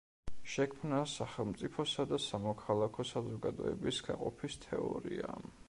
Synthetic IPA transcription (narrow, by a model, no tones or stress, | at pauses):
ʃɛkʰmnasaχɛlˠmt̪sʼipʰɔsad̪asamɔkʰalˠakʰɔsazɔɡad̪ɔ̰ɛ̰bisɡaqʼɔpʰist̪ʰɛɔ̰ɾḭa̰